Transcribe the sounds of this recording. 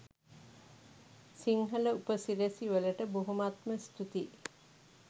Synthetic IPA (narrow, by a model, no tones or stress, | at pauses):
siŋɦələupəsiɾesiʋələʈəboɦumat̪məst̪ut̪i